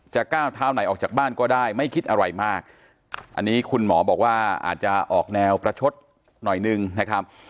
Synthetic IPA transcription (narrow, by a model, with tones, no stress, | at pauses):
t͡ɕa˨˩kaː˥˩wt̪ʰaː˦˥wna˨˩˦jʔɔː˨˩k̚t͡ɕaː˨˩aː˥˩nkɔː˥˩daː˥˩jma˥˩jkʰi˦˥t̪̚ʔa˧ɾa˧jmaː˥˩k̚ | ʔa̰˧nːiː˦˥kʰu˧nmɔː˩˦bɔː˨˩k̚waː˥˩ʔa̰ː˨˩t̪̚t͡ɕa˨˩ʔɔː˨˩k̚nɛː˧wpɾa˧t͡ɕʰo˦˥t̪̚ | nɔ˨˩jnɯ˧ŋna˦˥kʰɾa˦˥p̚